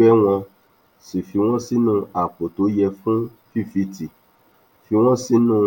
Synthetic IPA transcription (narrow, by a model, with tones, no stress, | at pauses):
ɛ˦w̃ã˧ | si˨fi˧˦w̃ɔ̃˦si˦nũ˦a˨k͡po˨to˨˦jɛ˧fũ˦ | fi˦˨fi˧ti˨ | fi˧w̃ɔ̃˦si˦nũː˦˧